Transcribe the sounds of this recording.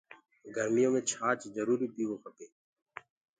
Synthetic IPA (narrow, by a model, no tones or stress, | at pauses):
ɡʱəɾmijãːmẽːt͡ʃʰaːt͡ʃzəɾuːɾiːp̪iːʋoːpʰəkeː